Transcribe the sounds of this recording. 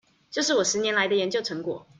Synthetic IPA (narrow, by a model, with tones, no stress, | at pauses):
t͡ɕjo˥˧ʊʂɻ̩˥˩wɔ˨˩ʂɻ̩˧˥njɛ˧˦nla˧˦ɪd̪ə˨jɛ˧˦nt͡ɕjo˥˩ʊʈ͡ʂʰɤ˧˥ŋkwɔ̰˨˩˦